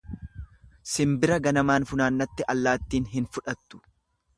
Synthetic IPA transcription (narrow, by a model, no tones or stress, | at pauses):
sɪmbɪɾɐɡɐnɐmaːnfʊnaːnːɐt̪ːɪʔɐlːaːt̪ːiːnɦɪnfʊᶑɐt̪ːʊ̥